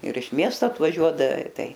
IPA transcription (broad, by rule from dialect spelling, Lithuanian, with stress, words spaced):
ɪr ɪʃ ˈmʲiɛstoː ɐtʋɐˈʒʲuɔdɐʋʲɛ ˈtɐɪ